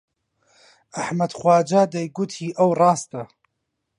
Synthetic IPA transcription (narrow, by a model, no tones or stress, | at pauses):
ʔɐħmɐd̪xwɑːd͡ʒaːd̪ɐjɡʊt̪ʰiːʔɐwrˤɑːst̪ɐ